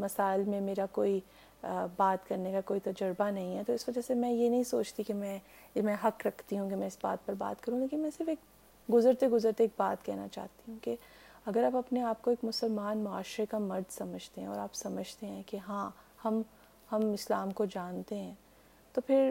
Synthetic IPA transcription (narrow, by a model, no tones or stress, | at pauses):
mɐsaːɪlmẽmeːɾakoːi | baːt̪kɐɾnekakoːit̪ɐd͡ʒəɾbanɐɦĩɦɛt̪oɪsʋɐd͡ʒasemɛ̃jenɐɦĩsoːt͡ʃt̪ikemɛ̃ | mɛ̃ɦɐkɾɐkʰt̪iɦũkemɛ̃ːɪsba̰ːt̪̚pɐɾba̰ːt̪kɐɾũleːkɪ̃nmɛ̃ːsɪɾfeːk | ɡʊzəɾt̪eɡʊzəɾt̪eːk̚baːt̪kɛɦna̰t͡ʃa̰ːɦt̪iɦũke | ɐɡəɾaːpɐpneaːp̚koeːkmʊsəlmaːnmʊaːʃɾekamɐɾd̪sɐməd͡ʒʱt̪eɦɛ̃ɔːɾaːpsɐməd͡ʒʱt̪eɦɛ̃keɦãː | hɐm | hɐmɪslaːmkod͡ʒaːnt̪eɦɛ̃ː | t̪opʰɪɾ